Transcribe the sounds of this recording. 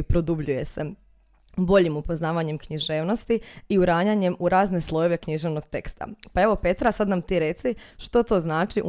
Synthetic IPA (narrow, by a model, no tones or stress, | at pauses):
pɾo̞d̪ubʎuje̞se̞ | bo̞ʎimupo̞znaːʋaɲe̞mkɲiʒe̞ːʋno̞st̪iiuɾaːɲaɲe̞muɾaːzne̞slˠo̞je̞ʋe̞kɲiʒe̞ʋno̞ɡ̥̚t̪e̞kst̪a̰pae̞ʋo̞pe̞t̪ɾasad̪namt̪iɾe̞t̪siʃt̪o̞t̪o̞znaːt͡ʃiʔ